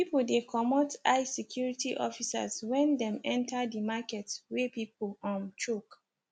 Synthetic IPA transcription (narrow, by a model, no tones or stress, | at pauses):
pipodekʰɔmɔtaɪsɛkʰjuɹitiʔɔfisa̰zwɛ̃ndɛ̃mɛ̃ntʰadimakɛtwepip̚lɔ̃nt͡ʃuk